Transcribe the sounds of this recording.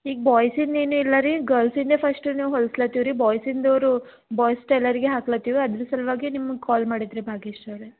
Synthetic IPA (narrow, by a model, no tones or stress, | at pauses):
iːɡ̚baːjsind̪eːnilːɐɾiɡɐːɾlsind̪epʰɐsʈniːʋɦolslɐt̪ːiʋɾibaːjsind̪oːɾu | baːjsʈɐjlɐɾiɡeɦaːklɐt̪ːiʋiɐd̪ɾusɐlʋaːɡinimːɐɡkaːlmaːɽid̪ɾebʱaːɡiʂʈɐʋɾe